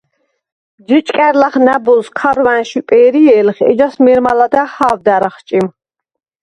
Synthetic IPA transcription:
d͡ʒit͡ʃʼkʼɛɾlaχnabɔlskʰaɾwænʃipʼɛːɾiɛːlχɛ̰d͡ʒasmɛɾmalad̪ahavd̪aɾaχt͡ʃʼim

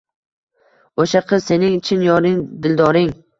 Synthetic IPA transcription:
oʃaqʰɨzse̞nɪŋɪt͡ʃʰɪnjɒɾɪŋd̪ɪld̪ɒɾɪŋ

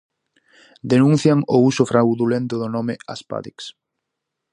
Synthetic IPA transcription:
d̪enũn̟θjaŋousʊfɾawðulẽnt̪ʊðonomea̰spa̰ðiks

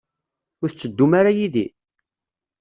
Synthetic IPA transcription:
ʊɾθt͡sːəd̪ːumaɾajiðḭ

